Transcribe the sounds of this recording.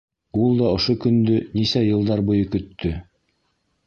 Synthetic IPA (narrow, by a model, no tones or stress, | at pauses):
ulˠd̪ɑŏʃokɵ̆nd̪ɵnisæjɤ̆lˠd̪ɑɾbŏjɤkɵ̆t̪ʰːɵ